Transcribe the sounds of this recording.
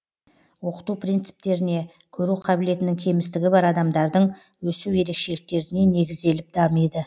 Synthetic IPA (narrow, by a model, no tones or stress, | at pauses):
wo̞qə̥t̪upʰrijnt̪sɪ̥p̚t̪e̞ɾɪne̞ | kʲʰɵɾuqʰɑbɪle̞t̪ɪnɪŋkʲʰe̞mɪst̪ɪɡʲɪbɑɾɑd̪ɑmd̪ɑɾd̪əɴ | wɵsuwje̞ɾe̞kʃe̞lɪk̚t̪e̞ɾɪne̞ne̞ɡʲɪzd̪e̞lɪp̚d̪ɑməjd̪ə